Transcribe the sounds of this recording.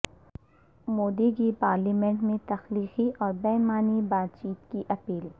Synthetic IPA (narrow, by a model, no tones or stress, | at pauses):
moːd̪ikipaːɾlimẽɳʈmẽt̪ɐxliːxiʔɔːɾbɛːɦmaːnibaːt̪̚t͡ʃiːt̪kiʔɐpiːl